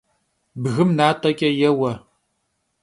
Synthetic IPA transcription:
bɣɨmnaːtʼɐkʲʼɐjɛwɐ

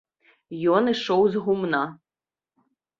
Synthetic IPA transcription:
jɔnɨʂɔwzɣumnɑ

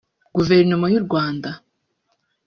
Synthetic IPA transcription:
ɡ̥uveɾnomojuɾɡwaːnda

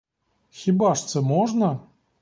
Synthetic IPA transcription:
xʲibaʂt̪sɛmɔʐnɐ

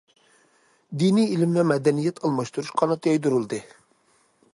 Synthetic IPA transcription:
d̪iniilɪmvɛmɛd̪ɛnijɛt̪ʰɑlˠmɑʃt̪uɾuʃqʰɑnɑt̪ʰɛjd̪uɾulˠd̪ɨ

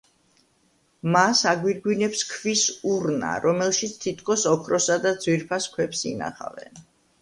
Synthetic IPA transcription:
masaɡwiɾɡwinɛpskʰvisuɾna̰ɾɔmɛlˠʃit̪sʰt̪ʰit̪ʰkʰɔsɔkʰɾɔsad̪ad̪zwiɾpʰaskʰwɛpsina̰χa̰vɛ̰n

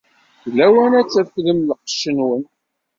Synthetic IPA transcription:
θlæwænæt͡sːæfləmlqʃːənwən

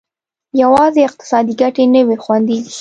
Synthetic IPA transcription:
jawɑzeɪq̚t̪ɪ̥sɑd̪iɡaʈenəwexwand̪izi

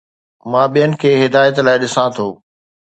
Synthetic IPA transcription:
mãːɓijənɪ̆kʰeːɦɪd̪aːjət̪laːɪɗɪsãt̪ʰoː

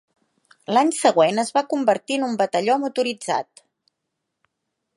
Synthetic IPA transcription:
laɲsəɣ̞wenəzβakumbəɾt̪iənumbət̪əʎɔmut̪uɾid͡za̰t̪

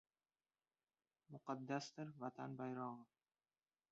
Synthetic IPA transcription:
mʊqɑd̪ːasd̪ɪɾvat̪ʰanbajɾɒʁɨ

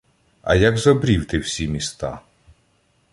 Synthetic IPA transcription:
ɐ̰jaɡzɔbɾʲiwt̪ɪwsʲimʲist̪ɑ̰

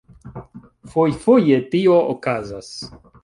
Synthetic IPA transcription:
fojfojetioʔokazas

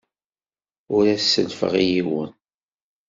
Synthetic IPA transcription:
ʊɾæsːəlfə̰ʁijiwə̰n

